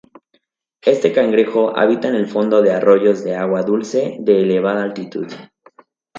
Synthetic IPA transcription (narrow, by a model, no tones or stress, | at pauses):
e̞st̪e̞kaŋɡɾexo̞ʔa̰βit̪aene̞lfo̞nd̪o̞ðe̞aro̞ʝo̞zðe̞aɣwaðulse̞ðe̞ːle̞β̞aðaːlt̪it̪ṵð